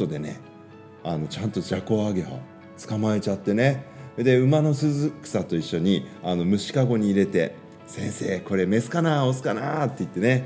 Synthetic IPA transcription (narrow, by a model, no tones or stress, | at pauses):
o̞d̪e̞nḛ | ano̞t͡ɕãnt̪o̞d͡ʑako̞aɡe̞ɦo̞̰ | t͡sɨ̥kamae̞t͡ɕat̪ːe̞ne̞ed̪e̞ɯ̟mano̞sɨzɨki̥sat̪o̞iɕːo̞ɲ̟iano̞mɯ̟ɕi̥kaɡo̞ɲ̟iːɾe̞t̪e̞̰ | sẽ̞ɰ̃se̞ːko̞ɾeme̞sɨ̥kanaosɨ̥kanat̪ːeit̪ːe̞ne̞